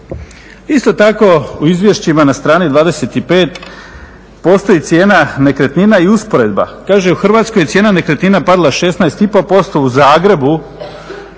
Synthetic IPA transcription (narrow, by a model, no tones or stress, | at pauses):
ist̪o̞t̪ako̞uizʋjeʃt͡ɕimanast̪ɾaːnid̪ʋaːd̪eset̪ipe̞ːt̪ | po̞st̪o̞jit̪sʲje̞ːnane̞kɾe̞t̪ninaiuspo̞ɾe̞d̪ba̰kaːʒeuxr̩ʋaːt̪sko̞jesjenane̞kɾe̞t̪ninapad̪lˠaʃe̞snaest̪ipo̞po̞st̪o̞uzaːɡɾe̞bu